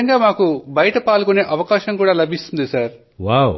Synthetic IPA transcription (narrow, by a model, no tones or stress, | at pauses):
ɐŋɡaːmaːkubɐjɐʈɐpaːɭukune̞ːʔɐʋɐkaːʃɐŋkuːɽaːlɐbʱist̪und̪isaːɾ | ʋaːw